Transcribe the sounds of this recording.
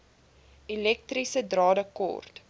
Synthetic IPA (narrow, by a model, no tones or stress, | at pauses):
ilɛk̚trisədrɑːdəkɔ̰rt